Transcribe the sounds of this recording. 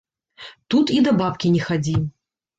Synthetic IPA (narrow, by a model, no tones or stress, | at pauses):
t̪ut̪id̪ɐbap̚kʲinʲɛxad͡zʲi